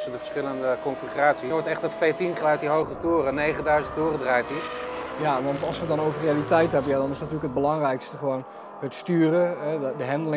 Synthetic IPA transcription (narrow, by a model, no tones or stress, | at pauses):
sədəfə̥ɹsχɪləndəkɔnfiχraːtsiʋɔɹtɛχtdɔtfejtinχəlœɥt̚iɦowχətoːrənejχəndœɥzəntʊːrədraːjtijaʋɑntɑlˠsʋədɔnowvərrejalitɛjtɦɛbənjadɔnɪsdtyələkəd̚bəlɑŋrɛjkstəχəʋown | hətstyːrəɦɛdəɦɛndəlɪ